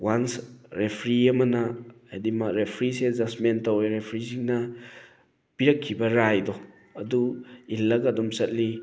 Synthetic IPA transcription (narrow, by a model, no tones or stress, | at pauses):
wansɾepʰɾiɐmɐna | edimaɾepʰɾisezasmentaweɾepʰɾisiŋnɐ | piɾɐkʰːibɐɾajdɔ | ɐduilːaɡadɔmsɐt̚li